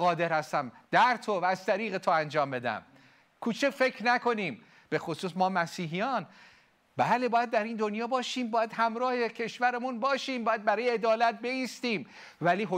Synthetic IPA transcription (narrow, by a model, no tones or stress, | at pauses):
ɒːd̪e̞ɾhæst̪æmd̪̥æɾt̪ʰovæːz̥t̪ʰæɾiːɣe̞t̪ʰoænd͡ʒɒːmbe̞d̪æ̰m | kʰuːt͡ʃʰefe̞kʰɾnæko̞niːm | b̥e̞xosuːsmɒːmæsiːɦijɒːn | bæːle̞bɒːjæd̪̚ːæɾiːnd̪o̞njɒːbɒːʃiːmbɒːjæd̪̥hæmɾɒːhe̞cʲʰe̞ʃvæɾemunbɒːʃiːmbɒːjæd̪̚bæɾɒːjeed̪ɒːlæt̪̚be̞ist̪iːm | væliːɦo